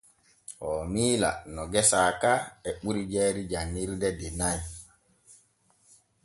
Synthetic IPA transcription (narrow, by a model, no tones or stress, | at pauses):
hɔmiːla̰nɔɡɛsaːkaɛɓuɾid͡ʒɛːɾid͡ʒanːiɾdɛdɛnaj